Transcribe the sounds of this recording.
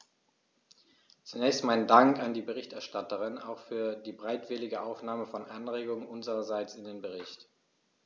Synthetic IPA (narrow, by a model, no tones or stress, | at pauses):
t͡sunɛːçstmaɪnəndaŋkandiːbəʁɪçtɛɐʃtatəʁɪna̰ʊxfyːɐdiːbəʁaɪtv̥ɪlɪɡəʔaʊfnaːməfɔnʔanʁeːɡʊŋənʔʊnzəʁɐzaɪt͡sɪndeːnbəʁ̞ɪçt